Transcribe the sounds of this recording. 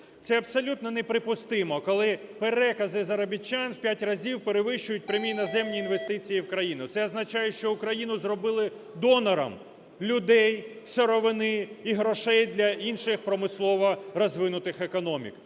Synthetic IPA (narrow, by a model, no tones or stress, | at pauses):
t̪sɛɐbsɔlʲut̪nɔnepɾɪpʊst̪ɪmɔkɔlˠɪpeɾɛkɐzɪzɐɾɐbʲit͡ʃːanwpʲjatʲrɐzʲiwpeɾeʋɪʃt͡ʃʊjʊt̚ʲpɾʲemʲijnɐzɛmnʲiːnʋe̞st̪ɪt͡sʲijiwkɾɐjinʊt̪sɛɔznɐt͡ʃajɛʃt͡ʃɔʊkɾɐjinʊzrɔbɪlˠɪ | d̪ɔnɐɾɐ̰m | lʲʊd̪ɛj | sʲɔɾɔʋɪnɪiɦɾɔʃɛjd̪lʲɐinʃɪxpɾɔmɪslˠɔʋɐɾɔzʋɪnʊt̪ɪxekɔnɔmʲḭk